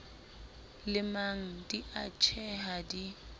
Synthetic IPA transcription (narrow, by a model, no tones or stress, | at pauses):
lɪmaŋ̩diat͡ʃʰɛɦadi